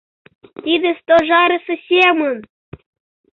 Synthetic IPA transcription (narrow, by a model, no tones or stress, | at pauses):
t̪id̪ʲĕst̪oʒɑɾʲĕsə̆sʲemə̆n